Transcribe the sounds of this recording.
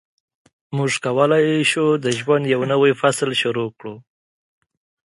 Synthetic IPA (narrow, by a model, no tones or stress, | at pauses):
muʐkawəlajʃud̪əʒwand̪jawnəwajfaslʃʊɾokɽu